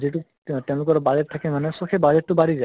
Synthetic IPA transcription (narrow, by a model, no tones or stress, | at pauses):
zitu | tɛʊ̃lʊkɔɾbad͡ʒɛt̚tʰːakɛmanɛsɔkʰɛbad͡ʒɛt̚ːʊbaɾiza